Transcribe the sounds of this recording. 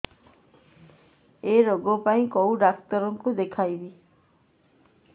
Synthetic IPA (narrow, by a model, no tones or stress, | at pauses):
eɾoɡopaĩkowɖak̚t̪ɔɾɔŋkud̪ekʰajbi